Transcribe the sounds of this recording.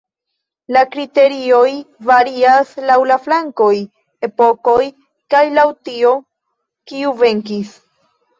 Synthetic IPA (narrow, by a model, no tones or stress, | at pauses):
lakɾite̞ɾio̞jvaɾiaslawlaflaŋko̞j | e̞po̞ko̞j | kajlawtio̞ | kiuve̞ŋkis